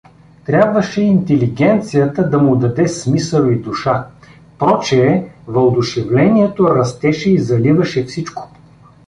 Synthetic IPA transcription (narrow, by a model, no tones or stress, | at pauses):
t̪ɾʲabvɐʃɛint̪ɛliɡɛnt̪sijət̪əd̪ɐmʊd̪ɐd̪ɛsmisəlˠid̪ʊʃa | pɔt͡ʃɛːvɐlˠd̪ʊʃɛvlɛniɛt̪oɾɐst̪ɛʃɛizɐlivɐʃɛfsit͡ʃko̥